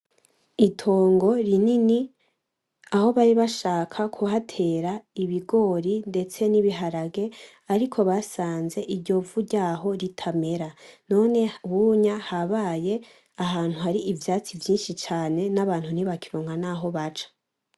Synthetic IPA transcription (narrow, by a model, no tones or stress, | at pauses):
itʰoːŋɡo̞ɾinini | aho̞βaɾiβaʃaːkʰakʰuhatʰe̞ɾaiβiɡo̞ɾinde̞t͡se̞niβiɦaɾaɡe̞ | aɾikʰo̞βasaːnze̞ʔiɾɟo̞vuɟaːɦo̞ɾitʰame̞ɾano̞ne̞wuɲahaβaːje̞ | aɦaːn̥huhaɾiʔivjaːt͡sivjiːnʃit͡ʃaːne̞naβaːn̥huniβakiɾoːŋɡanaːɦo̞βat͡ʃḁ